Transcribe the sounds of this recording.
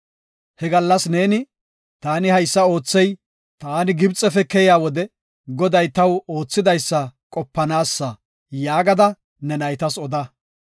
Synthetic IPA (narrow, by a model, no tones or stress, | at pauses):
hɛɡɐlːɐsne̞ːnɪ | t̪aːnɪhɐjsːɐo̞ːt͡sːɛj | t̪aːnɪɡɪbt͡sʼːɛfɛkɛjaːwɔd̪ɛ | ɡɔd̪ɐjt̪ɐwo̞ːt͡sːɪd̪ɐjsːɐkʼɔpːɐnaːsːɐ | jaːɡɐd̪ɐ | nɛnɐjt̪ɐsɔd̪ɐ